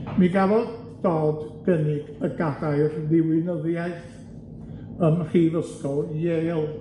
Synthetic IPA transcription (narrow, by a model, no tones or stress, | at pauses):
miɡavɔd | d̥oːdɡ̥ənɪɡəɡadaɨrðɪwɪnəðjaɨθ | əmr̥iːvəskɔlˠjelˠ